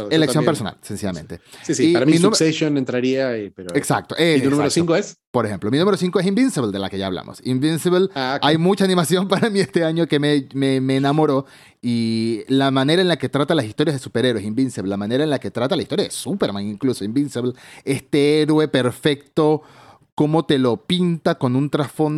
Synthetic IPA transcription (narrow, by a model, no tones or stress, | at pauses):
elekjo̞peso̞na̰lsensiʝamḛ̃nt̪e̞̰sisiiaɾamimiumeʃjonent̪ɾaɾiaipeɾoeksa̰k̚t̪oʔeunumeɾosĩŋkoespoɾexe̞mplo̞minumeɾos̬iŋkoesimbinsiβld̪e̞la̰keʝaːβla̰mo̰simbinsiβlakajmut͡ʃaːnimasjo̞mpaɾamie̞st̪e̞aɲo̞ke̞mememeːnamo̞ɾo̞ | ilamane̞ɾaenlake̞t̪ɾat̪alasist̪o̞ɾjazðesupe̞ɾeɾwesimbinseβllamãneɾaenlake̞t̪ɾat̪alaist̪oɾjaðesupe̞ɾmaŋiŋklusoimbinseβle̞st̪e̞eɾwe̞pe̞ɾfe̞k̚t̪o̞ | ko̞mo̞t̪e̞lo̞pint̪ako̞nunt̪ɾasfo̞n